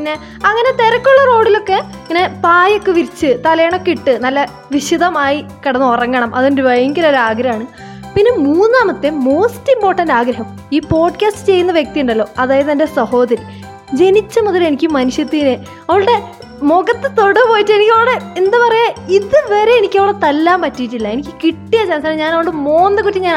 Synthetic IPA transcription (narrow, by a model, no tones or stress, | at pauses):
inːe̞ | ɐŋːɐnet̪eɾɐkːoɭːɐro̞ːɽilo̞kːe̞ | ɐŋːɐne̞paːjokːeʋiɾit͡ɕːɨt̪ɐlɐjɐɳokːiʈːɨnɐlːɐ | ʋiɕiðɐmaːjikɐɽɐnːɨorɐŋːɐɳɐmʔɐðondeʋɐjɐŋɡɐɾoɾaːɡɾɐjaːɳɨ | pinːemuːnnːaːmɐt̪ːemo̞ːstːimpo̞ːʈːɐndaːɡɾɐɦɐm | iːpo̞ːɖkʲaːstɨ̥t͡ɕe̞jːunːɐʋjek̚t̪ijuɳɖɐlːoːɐðaːjɐðɨendesɐho̞ːðɐɾi | d͡ʑe̞nit͡ɕːɐmuðɐle̞nikʲːumːɐnuɕjɐt̪ːine | ɐʋɐɽɽe̞ | moɡɐt̪ːɨt̪o̞ɽɐpo̞ːjitːɨenikʲːɐʋɽeend̪ɐpɐrɐjaiðɨʋeɾeenikʲːɐʋɐɭɐt̪ɐlːaːmpɐtːijit̬ːilːɐe̞nikʲːɨ̥kiʈːijɐd͡ʑɐnɐsaːnɲaːnɐʋɳɖɨmo̞ːnd̪ɐkːutːt͡ɕːiɲaːn